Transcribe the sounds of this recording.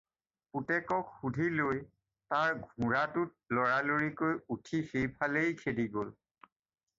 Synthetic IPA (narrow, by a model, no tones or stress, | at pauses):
putɛkɔkxudʱiloj | taɹɡʱũɹatʊt̚lɔɹaloɹikojutʰixejpʰalejkʰediɡol